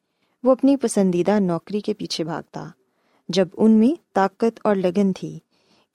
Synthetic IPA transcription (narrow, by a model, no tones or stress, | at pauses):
ʋoɐpnipɐsə̃nd̪id̪anɔːkɾikepiːt͡ʃʰebʱa̰ːɡ̚t̪a̰ | d͡ʒɐbʊnmẽt̪aːkət̪ɔːɾlɐɡənt̪ʰiː